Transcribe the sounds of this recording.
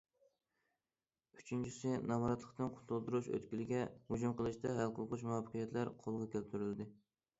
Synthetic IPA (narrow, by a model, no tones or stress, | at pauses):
y̥t͡ʃʰynt͡ʃʰisɪnɑmɑɾɑt̪lˠə̥qt̪ɨnqʰʊ̥t̪ʰulˠd̪uɾuʃø̰t̪kʲilɪɡʲɛhud͡ʒumqəlˠɨʃt̪ɛɦælˠqʊlˠqʊʃ̬muwɑpʰːə̥qʰijɛt̪læɾqʰolˠʁɑkʲælt̪ʰyɾyld̪ɪ